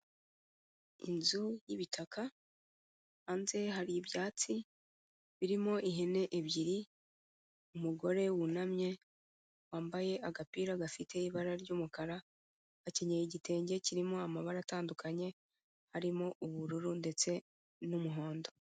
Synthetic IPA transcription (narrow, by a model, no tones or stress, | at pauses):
ḭnzujiβitʰaka | nze̞ɦaɾiiβjaːt͡si | βiɾimo̞ʔiɦene̞ʔeβjiɾi | umuɡo̞ɾe̞wunamɲe̞ | waːmbaje̞ʔaɡapiːɾaɡafitʰe̞iβaɾaɾɟuːmukaɾa | βace̞ɲejiɟite̞ːɲɟe̞ciɾimo̞amaβaɾataːndukʰaɲe̞ | haɾimo̞ʔuβuɾuɾunde̞t͡se̞ | numuɦo̞ːndo̞